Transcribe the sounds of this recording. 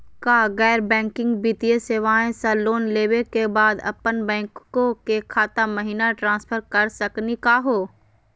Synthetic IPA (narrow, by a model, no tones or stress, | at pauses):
kaːɣɛːɾbɛ̃ːŋkɪ̃ŋɡbit̪ijeseːʋaːẽsaloːnleːʋekebaːd̪ɐ̰pənbɛ̃ːŋkkõkekʰaːt̪amɐɦiːnaʈɾãːnspʰəɾkɐɾsɐknikaɦoː